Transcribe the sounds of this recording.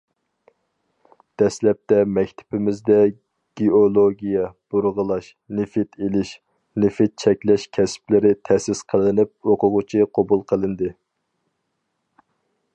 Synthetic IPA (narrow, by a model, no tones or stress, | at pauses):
d̪̥ɛslɛp̚t̪ɛmɛkʲt̪ʰɪ̥pɪmɪzd̪ɛ | ɡ̥ʲiolˠoɡʲijɛb̥uɾʁəlˠɑʃ | nɪfɪt̪ʰelɪʃ | nɪfɪt̪̚t͡ʃʰɛkʲlɛʃkʲʰɛsplɪɾɪt̪ʰɛsɪsqʰəlˠɨnɪp̚oqʰʊʁʊt͡ʃʰiqʰobulˠqʰəlˠɨnd̪ɨ